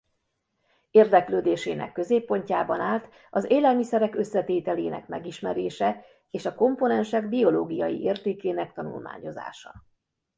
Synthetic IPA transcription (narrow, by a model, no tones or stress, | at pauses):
eːrd̪ɛkløːd̪eːʃeːnɛ̰kːø̞zeːpːo̞ɲcaːbɒnaːlt̪ | ɒzeːlɛlmisɛɾɛkø̞sːɛt̪eːt̪ɛleːnɛ̰kmɛ̰ɡiʃmɛɾeːʃɛ | eːʃɒko̞mponɛnʃɛɡbio̞loːɡijɒ̰jḭʔeːrt̪eːkeːnɛk̚t̪ɒnṵlma̰ːɲo̞za̰ːʃɒ̰